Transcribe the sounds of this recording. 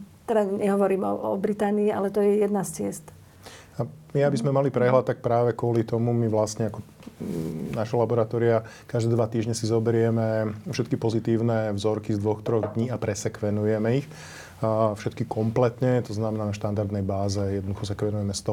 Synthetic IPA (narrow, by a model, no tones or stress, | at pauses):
t̪ɛd̪aɲɛɦɔʋɔɾiːmɔ̰ɔ̰bɾit̪aːniːa̰lɛt̪ɔjɛjɛd̪nast͡sɪɛst̪ | amiabizmɛmalipɾɛɦlat̪̚ːak̚pɾaːʋɛkʊɔlit̪ɔmumiʋlast̪ɲɛakɔ | naʃɛlabɔɾat̪ɔːɾiakaʒd̪ɛːd̪ʋat̪iːʒɲɛsizɔbɛɾɪɛmɛfʃɛt̪kipɔzit̪iːʊnɛvzɔɾkizd̪ʋɔxt̪ɾɔɣd̪ɲiːapɾɛsɛkʋɛnujɛmɛix | fʃɛt̪kikɔmplɛt̪ɲɛt̪ɔznamɛnaːnaʃt̪and̪aɾd̪nɛjbaːzɛjɛd̪nɔd̪uxɔsɛkʋɛnujɛmɛst̪ɔ